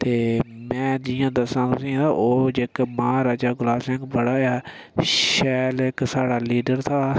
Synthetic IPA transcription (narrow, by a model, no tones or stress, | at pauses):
t̪eːmɛ̃ːd͡ʒɪjãːd̪əsãːt̪ʊsĩːt̪aːʔoːd͡ʒekmãːɾaːd͡ʒaːɡʊlaːsɛ̃ŋɡbəɽaːaː | ʃɛːleksaːɽaːliːɖəɾt̪ʰaː